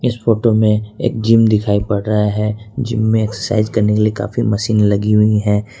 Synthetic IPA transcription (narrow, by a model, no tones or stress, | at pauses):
ɪsfoːʈomẽḛːk̚d͡ʒimd̪ɪkʰaːipɐɽɾɐɦaɦɛd͡ʒɪ̰mːẽɛːksəsa̰ːɪzkɐɾnekelieka̰ːfimɐʃiːnlɐɡiɦʊiɦɛː